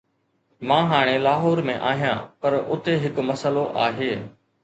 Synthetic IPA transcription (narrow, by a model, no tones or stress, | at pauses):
mãːɦaːɽ̃eːlaːɦoːɾmẽːʔa̰ːɦijãːpəɾʊt̪eːɦɪkməsəloʔaːɦeː